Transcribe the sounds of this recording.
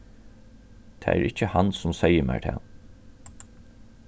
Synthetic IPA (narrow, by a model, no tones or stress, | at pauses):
t̪ʰɛ̰ːæ̰ɾʔɪt͡ʃːəhansʊmsɛjəmæ̰ːɹt̪ʰɛ̰ː